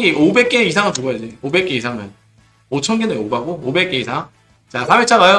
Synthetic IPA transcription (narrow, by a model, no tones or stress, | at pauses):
ɡiʔobe̞k͈e̞isʰaŋɯt͡ɕuɡʌjad͡ʑiobe̞k͈e̞isʰaŋɯn | ot͡ɕʰʌnɡinɯnobaɡoobek͈e̞isʰaŋ | t͡ɕasʰabe̞k̚t͡ɕʰaɣajo